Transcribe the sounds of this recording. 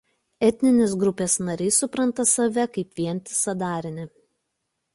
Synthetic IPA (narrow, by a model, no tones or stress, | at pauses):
ɛt̪ʲnʲɪnʲeːsɡɾʊpʲeːsnɐɾʲɛɪsʊpɾɐnt̪ɐsɐʋʲɛkɐɪpʋʲiɛnʲt̪ʲɪ̥sɐd̪ɑːɾʲɪnʲɪ